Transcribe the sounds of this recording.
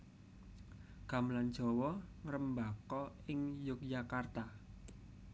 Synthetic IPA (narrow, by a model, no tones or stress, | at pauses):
ɡ̥a̤mland̥d͡ʒ̥ɔ̤wɔŋəɾəmbakɔ | ɪŋjʊk̚jakart̪a